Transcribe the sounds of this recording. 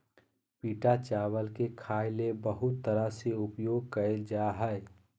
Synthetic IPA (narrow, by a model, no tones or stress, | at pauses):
piːʈat͡ʃaːwəlkekʰaɪlebəɦʊt̪ːəɾaseʊpjoɡ̚kəeld͡ʒaɦəɪ